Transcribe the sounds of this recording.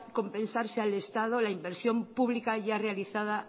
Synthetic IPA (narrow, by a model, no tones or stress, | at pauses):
kõ̞mpẽ̞nsaɾseale̞st̪að̞o̞laimbe̞ɾsjo̞mpuβlikaʝarealiθaða